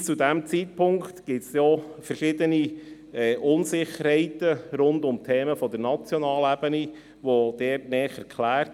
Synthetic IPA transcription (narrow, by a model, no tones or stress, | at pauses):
t͡sudæmt͡siːt̚pʰʊŋkt̪ɡ̥ɪtsjoːfəɾʃɪdəni | ɛːʔʊnsɪχəɾhɛɪtəɾʊndʊmtʰɛːməfɔdəɾnɑt͡sjɔnɑːlæbəni | ʋod̪̥ɛːɾtnɛːχəɾkʰlæːɾt